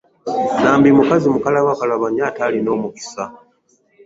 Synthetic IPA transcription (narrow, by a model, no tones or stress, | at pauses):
naːmbimukazimukalaβakalaβaɲaːtalino̞ːmuki̥sa